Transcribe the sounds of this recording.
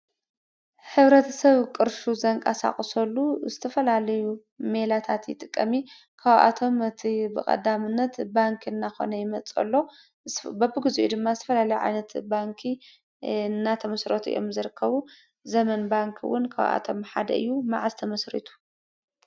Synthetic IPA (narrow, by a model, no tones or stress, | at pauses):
ħɨβɾɐt̪ʰɐ̥sɐβkʼɨɾʃuzɐŋkʼasa̰χʼsɐlːuzɨt̪ʰɐfɐlalɐju | melat̪ʰat̪jɪt̪ʼɨkʼːɐmi | kʰaβa̰t̪ʰo̞mɨt̪ʰibɨ̰kʼɐ̰d̪amɨnːɐt̪baŋkʰɨnːaxo̞̰nɐjɪmɐt͡sʼɐ̰lːo̞ | bɐbɨɡɨzuʔṵd̪ɨmːazɨt̪ʰɐ̥fɐlalɐjuʕa̰jnɐt̪baŋkʰi | nːat̪ʰɐmɐsɾɐt̪ʰuḭjo̞̰mzɨɾɨkʰːɐβu | zɐmɐnbaŋkʰwʊ̰nkʰa̰βʔa̰t̪ʰo̞mħa̰d̪ɐ̰ʔɨ̰jːumaʕazt̪ʰɐmɐsɾḭt̪ʰu̥